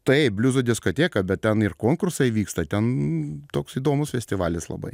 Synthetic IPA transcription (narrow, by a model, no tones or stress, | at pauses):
t̪ɐɛɪbʲlʲuːzʊd̪ʲɪskot̪ʲeːkɐbʲɛt̪̚t̪ʲɛnɪrkoːŋkʊrsɐɪʋʲiːkst̪ɐt̪ʲɛnt̪oːksiːd̪oːmʊsfʲɛsʲt̪ʲɪʋɑːlʲɪslˠɐ̰bɐ̰ɪ